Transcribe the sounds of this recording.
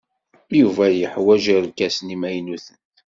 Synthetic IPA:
juvæjəħwæʒəɾkæsnimæjnuθənt̪

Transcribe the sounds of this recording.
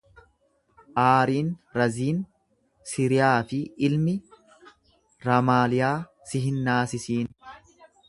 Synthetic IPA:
ʔaːɾiːnɾɐziːn | siːɾɪjaːfɪɪlmɪ | ɾɐmaːlɪjaː | sɪɦɪnːaːsɪsiːn

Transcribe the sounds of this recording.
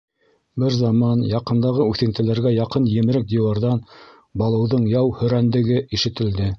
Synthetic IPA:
bɘɾzɑmɑnjɑqɤ̆nd̪ɑʁɤʉθɘ̆nt̪ɘ̆læɾɡæjɑqɤnjɘ̆mɘ̆ɾɘk̚d̪ĭwɑɾðɑn | bɑlˠɤ̆wðɤɴjɑwhɵ̆ɾænd̪ɘ̆ɡɘiʃɘ̆t̪ɘ̆ld̪ɘ

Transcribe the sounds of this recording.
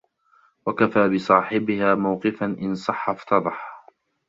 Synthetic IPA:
wakafaːbɪsˤɑːħɪbɪhaːmawqɪfanʔɪnsˤɑħːaft̪ɑd̪ˤɑħ

